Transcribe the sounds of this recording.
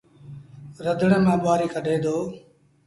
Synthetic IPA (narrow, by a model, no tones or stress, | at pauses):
ɾəd̪ʱɳeːmãːɓaːɾiːkʰəɖʱeːd̪oː